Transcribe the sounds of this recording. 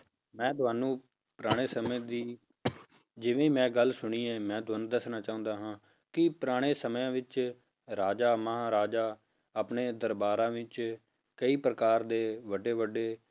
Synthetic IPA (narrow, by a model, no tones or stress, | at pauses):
mɛ̃ːt̪ʊaːnũː | pɾaːɽ̃eːsəmẽːd̪iː | d͡ʒɪʋẽːiːmɛ̃ːɡəlsʊɽ̃iːɛːmɛ̃ːd̪ʊənd̪əsnaːt͡ʃaːʊ̃nd̪aːɦãː | kɪpɾaːɽ̃eːsəmjãːʋɪt͡ʃ | ɾaːd͡ʒaːməãːɾaːd͡ʒaː | apneːd̪əɾbaːɾãːʋɪt͡ʃ | kəiːpɾəkaːɾd̪eːʋəɖeːʋəɖeː